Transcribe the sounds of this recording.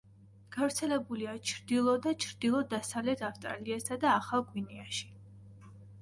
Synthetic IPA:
ɡ̥avɾt̪sʰɛlɛbuliat͡ʃʰɾd̪ilˠɔd̪at͡ʃʰɾd̪ilˠɔd̪asavlɛt̪ʰafst̪ʼɾa̰liasad̪aːχalˠɡwiniaʃi̥

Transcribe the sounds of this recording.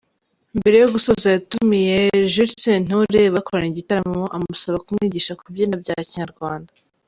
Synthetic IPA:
imbe̞ɾe̞joɡusozajatumijeʒuɾsen̥oɾeβakoɾaniɟitaɾamoʔamusoβakumŋiːɟiːʃakubjeːnabɟaciɲaɾɡwaːnda

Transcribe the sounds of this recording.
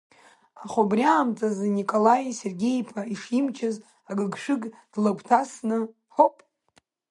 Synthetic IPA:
aχobrʲaːmt͡sʼazɨnikʼolajse̞rɡʲe̞jpʰaiʂimt͡ʃʰaz | aɡɨɡʃʷɨɡd̥laɡʷtʰasnɨ | ħopʼ

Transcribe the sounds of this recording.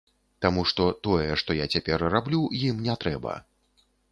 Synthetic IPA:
t̪amuʂt̪ɔt̪ɔjɛʂt̪ɔjat͡sʲapʲɛrrablʲujimnʲɛt̪ɾɛbɐ̰

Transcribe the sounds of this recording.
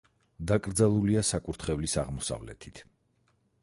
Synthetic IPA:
d̪akʼɾd̪zalˠuliasakʼuɾt̪ʰχɛvlisaʁmɔsa̰vlɛ̰t̪ʰit̪ʰ

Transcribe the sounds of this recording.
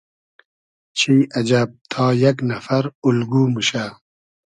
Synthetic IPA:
t͡ʃʰiɐd͡ʑɐb̚t̪ʰɑːjaknɐfɐɾulɡuːmɨʃa

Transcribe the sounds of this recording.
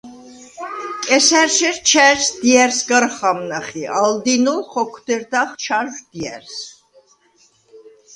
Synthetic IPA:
kʼɛsæɾʃɛɾt͡ʃʰæɾsd̪̥iɛɾsɡəɾχamnaχiʔald̪inulχɔkʰd̪̥ɛɾd̪aχt͡ʃʰaɾʒd̪̥iɛ̰ɾs

